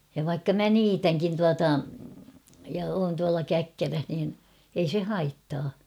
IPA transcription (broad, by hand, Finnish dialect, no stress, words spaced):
jɑ ʋɑikːɑ mæ niːtæŋkin tuɑtɑ jɑ oːn tuɑlɑ kækːæræh niːn ei se hɑitːɑː